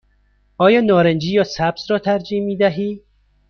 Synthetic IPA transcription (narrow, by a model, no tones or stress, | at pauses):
ʔɒːjɒːnɒːɾend͡ʒiːjɒːsæbzɾɒːt̪ʰæɾd͡ʒiːmiːd̪æɦiː